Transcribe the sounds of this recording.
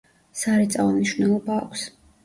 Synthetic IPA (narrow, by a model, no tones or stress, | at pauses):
saɾit̪sʼavɔmniʃwnɛlˠɔba̰ːkʷʰs